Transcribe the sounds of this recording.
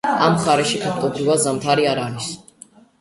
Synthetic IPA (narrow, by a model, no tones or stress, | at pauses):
amχaɾɛʃikʰak̚ʰt̪ʼɔbɾivad̪zamt̪ʰaɾiaɾaɾis